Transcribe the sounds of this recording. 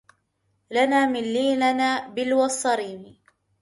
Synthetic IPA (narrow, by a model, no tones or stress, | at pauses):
lanaːmɪnlːiːnanaːbɪlwɑsˤːɑɾiːnɪ